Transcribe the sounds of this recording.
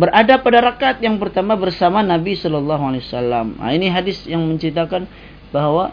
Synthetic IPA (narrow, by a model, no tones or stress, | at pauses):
bəradapadaɾakat̪̚jaŋpərt̪amabərsamanabisɔlɔlːaɦualewasalːama̰iniɦadɪsjaŋməɲt͡ʃɾit̪akan | baɦwa